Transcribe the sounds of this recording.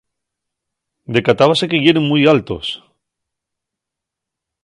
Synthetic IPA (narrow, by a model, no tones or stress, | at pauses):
d̪ekat̪aβasekeɣjeɾeŋmujalt̪o̰s